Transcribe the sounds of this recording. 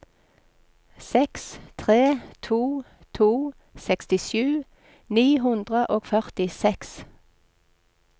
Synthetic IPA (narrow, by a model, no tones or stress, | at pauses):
sɛkst̪ʰʁeːt̪ʰuː | t̪ʰuː | sɛkst̪ɪʃjʉː | niːɦʉnd̪ʁəʔoːɡ̥fœʁt̪ɪsɛks